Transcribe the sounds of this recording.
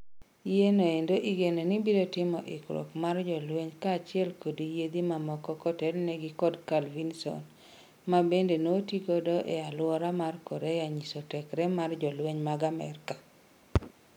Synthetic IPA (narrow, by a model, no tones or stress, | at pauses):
jenoendoʔiɡenonibiɾotɪmɔʔɪkɾo̰kmard͡ʒɔlweɲkaːt͡ʃɪɛlkodijed̪imamɔkɔkɔtɛɾneɡikɔdkalvinsɔ̰n | mabendenotikodɔʔealwɔɾamarkoɾejaɲisotɛkɾɛmard͡ʒɔlweɲmaɡamɛ̰rka